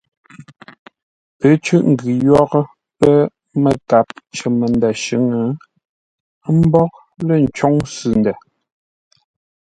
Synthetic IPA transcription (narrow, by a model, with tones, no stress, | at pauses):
pə˨˦t͡ʃʉ˦ʔŋ̩˨ɡʉ˨jɔ˦ɣə˦ | pə˦ | mə˨ka˨p̚t͡ʃə˨mə˨nda˨ʃʉ˨˦ŋə˨˦ | m̩˦bɔ˦k̚ | lə˦˨n̩˨t͡ʃɔ˦ŋsʉ˨ndɛ˨